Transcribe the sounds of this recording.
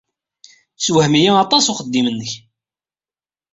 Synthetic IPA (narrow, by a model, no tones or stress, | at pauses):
swəhmijaɑt̪ˤɑsʊχəd̪ːimənːəç